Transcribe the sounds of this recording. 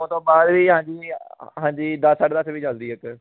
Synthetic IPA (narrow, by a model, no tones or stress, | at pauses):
õnt̪õːbaːd̪ʋiːɦãːɲd͡ʒiːɦãːɲd͡ʒiːd̪əsəʈd̪əsʋiːd͡ʒəld̪iːək